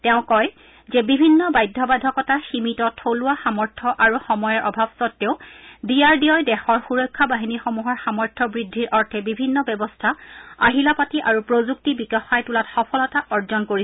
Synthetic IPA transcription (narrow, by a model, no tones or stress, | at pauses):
tɛʊ̃kɔj | zɛbibʱinːɔbajdʱːɔbadʱɔkɔtaximitɔtʰːoluwaxamɔɹtʰɔʔaɹuxɔmɔjaɹʔɔbʱabsɔtːeʊdijaɹdijɔjdɛxɔɹxuɹɔjkʰːabaɦinixɔmuɦɔɹxamɔɹtʰɔbɹidʱːiɹʔɔɹtʰɛbibʱinːɔbɛbɔstʰaaɦilapatiʔaɹupɹozuk̚tibikɔxajtulatxɔpʰɔlɔtaʔɔɹzɔnkoɹi